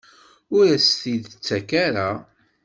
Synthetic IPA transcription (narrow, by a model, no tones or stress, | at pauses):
ʊɾæst̪iðət͡sːækaɾa